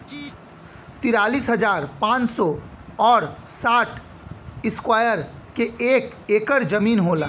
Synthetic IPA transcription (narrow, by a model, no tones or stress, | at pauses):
t̪ɪɾaːliːsɦəd͡ʒaːɾpãːt͡ʃsɔɔːɾsaːʈʰ | ɪskwaːjəɾkeeːk | eːkəɾd͡ʒəmiːnɦoːlaː